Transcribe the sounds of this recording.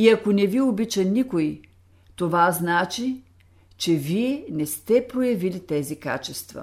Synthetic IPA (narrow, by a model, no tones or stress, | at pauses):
iɐkonɛviobit͡ʃɐnikoj | t̪ovaznat͡ʃi | t͡ʃɛviɛnɛst̪ɛpɾojɐvilit̪ɛzika̰t͡ʃɛst̪vɐ̰